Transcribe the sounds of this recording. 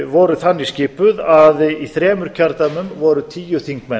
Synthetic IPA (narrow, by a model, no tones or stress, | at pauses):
vɔːɾʏθanːisciːpʏðaðiθɾɛːmʏɾ̥cʰaɾt̪amʏnvɔɾʏt̪ʰiːjʏ̥θiŋkmɛn